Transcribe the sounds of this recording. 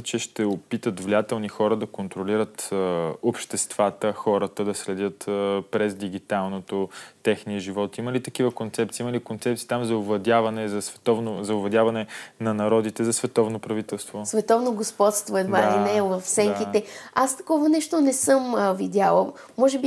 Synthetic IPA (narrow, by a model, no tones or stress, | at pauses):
t͡ʃɛʃt̪ɛopit̪ət̪vliat̪ɛlˠnixɔɾəd̪ɐkont̪ɾoliɾət̪opʃt̪ɛst̪v̥at̪əxɔɾət̪əd̪ɐslɛd̪jət̪əpɾɛzd̪iɡ̟it̪alˠnot̪ot̪ɛxniəʒivɔt̪iməlit̪ɐk̟ivəkont̪sɛp̪̚siiməlikont̪sɛp̚tsiːt̪amzɐʊvlˠɐd̪ʲjavɐnɛzɐsvɛ̥t̪ɔvnozɐʊblˠɐd̪javɐnɛnɐnɐɾɔd̪it̪ɛzɐsvɛt̪ɔvnopɾɐvit̪ɛlˠst̪vosvɛt̪ɔvnoɡospɔt̪st̪voɛd̪valinɛvɐfsɛŋkiɛast̪ɐ̥kɔvɐnɛʃt̪onɛsɤmvid̪jalˠə | mɔʒɛbi